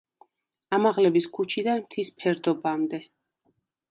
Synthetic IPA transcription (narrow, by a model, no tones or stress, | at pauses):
amaʁlɛbiskʰut͡ʃʰid̪anmt̪ʰispʰɛɾd̪ɔbamd̪ɛ